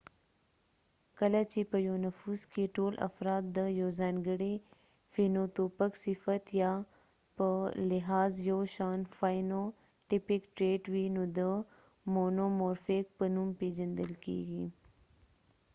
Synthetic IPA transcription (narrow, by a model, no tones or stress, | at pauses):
kɐlat͡ʃipəjoːnɐfuːzkiʈoːlʔɐ̰fɾaːt̪̚d̪əjoːzaːnɡəɽe | finoːt̪oːpəksɪfət̪ja | pəlɪɦaːzjoːʃaːnfaːjno | ʈɪpɪkʈɾeːʈʋinud̪ə | moːnomoːɾfeːk̚pənumpeːd͡ʒɐ̃nd̪əlkḭːɡiː